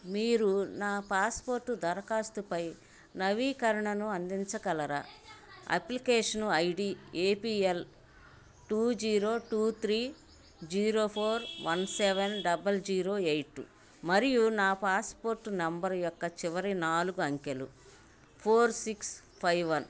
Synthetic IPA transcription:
miːɾunaːpaːspoːɾʈːud̪ɐɾɐkaːst̪upɐj | nɐʋiːkɐɾɐɳɐnuɐnd̪iɲt͡ʃɐkɐlɐɾa̰ːɐ̰plikeːʂɐnɐjɖiːeːpiel | ʈuːd͡ʒiːɾo̞ːʈuːt̪ʰɾiː | d͡ʒiːɾo̞ːpʰoːɾʋʔɐnseʋenɖɐbɐld͡ʒiːɾo̞ːejʈṵ | mɐɾijunaːpaːspoːɾʈːunɐmbɐɾjɔkːɐt͡ʃiʋɐɾinaːluɡuɐŋkelṵ | pʰoːɾsiks | pʰɐjʋɐn

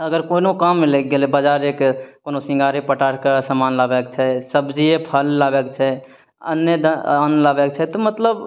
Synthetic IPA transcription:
əɡəɾkonokamːelek̚ɡelebəd͡ʒaːɾeːkkoːnosɪ̃ŋɡaːɾepəʈaːʈkesəmaːnlaːbɛkt͡ʃʰɛsəbd͡ʒiepʰəllaːbɛk̚t͡ʃʰɛ | ə̰nəd̪anlaːbɛk̚t͡ʃʰɛt̪omət̪ləb

